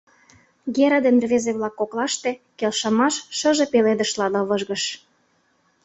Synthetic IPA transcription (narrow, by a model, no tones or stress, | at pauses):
ɡeɾəd̪enrβezeβlɑkːoklɑʃt̪ĕkelʃɤ̆mɑʃːɤ̆ʒepeled̪ə̆ʃlɑd̪ɤ̆βɤʒɣɤ̆ʃ